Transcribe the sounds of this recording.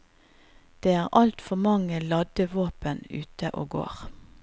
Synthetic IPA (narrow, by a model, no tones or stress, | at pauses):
d̪̥eːæːʁʔɑlt̪fɔmɑŋəlɑd̪əʋoːpənʉ̰ːt̪əʔo̰ːɡo̰ːʁ